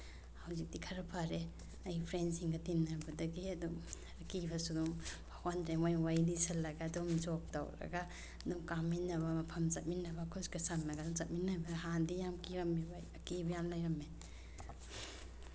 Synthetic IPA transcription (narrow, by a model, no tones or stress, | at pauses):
hawzik̚dikʰɐɾɐpʰaɾe | ɐjpʰɾensiŋɡɐtimnɐɾbɐdɐɡiɐdu | kibɐsudumbʱakʰwandɾemojwajnisɐlːɐɡaːdumzok̚ta̰wɾɐ̰ɡa | dumkamːinːɐβɐmɐpʰɐmzɐt̚minːɐbɐkʰoskɐsamnɐɡadumzɐt̚minːɐbaɦandijamkiɾɐmibajɐkibɐjamlajɾɐme